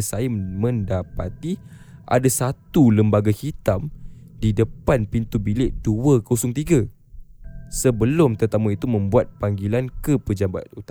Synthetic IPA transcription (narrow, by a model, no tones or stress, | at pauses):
sajamə̃ndapat̪i | ʔa̰dasat̪uləmbaɡahit̪amdidəpanpint̪ubilɪʔduəkosʊŋt̪iɡa | səbəlʊmt̪ərt̪amuit̪umə̃mbuat̪̚paŋɡilankəpəd͡ʒabat̪̚ut̪